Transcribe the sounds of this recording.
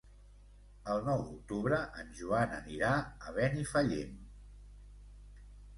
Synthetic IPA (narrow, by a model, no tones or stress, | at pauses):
əlˠnɔwd̪uk̚t̪uβɾəʔənʒuanəniɾaəβɛnifəʎḛm